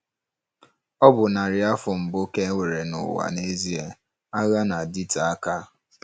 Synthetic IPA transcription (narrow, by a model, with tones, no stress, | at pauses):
ɔ˦bʊ˨na˨ɾɪ˨a˦fʊ˨m̩˨bo˦ke˦ŋʷe˨ɾe˨nʊ̰˨wa̰˨ne˦zi˦e˨ | a˦ɣa˦na˨di˦ta˨a˦ka˦